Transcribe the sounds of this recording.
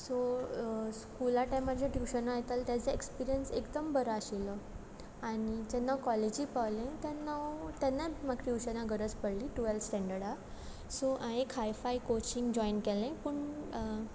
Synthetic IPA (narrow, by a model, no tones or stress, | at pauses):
so | skulaʈajmad͡ʑʱjaʈjuwɕənajet̪alt̪jat͡səekspiɾijənsekd̪əmbəɾəaɕilə | aɽ̃id͡ʑɛnːawkɔled͡ʑipaʋlẽt̪janːawt̪janːamaɡʈjuwɕənaɡəɾəd͡zpəɽliʈuelsʈɛ̃ɳɖəɾɽa | soʔãekɦajfajkot͡ɕiŋɡd͡ʑɔinkɛlẽpəɳ